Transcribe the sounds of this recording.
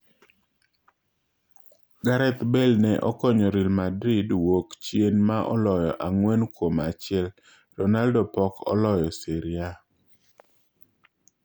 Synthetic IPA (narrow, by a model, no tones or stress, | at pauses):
ɡaɾɛt̪bɛlnɛʔɔkɔɲɔɾilmadɾɪdwokt͡ʃjenmaʔɔ̰lɔjɔʔaŋwɛnkwomat͡ʃɪɛl | ɾɔnaldɔpɔkɔ̰lɔjɔsiɾja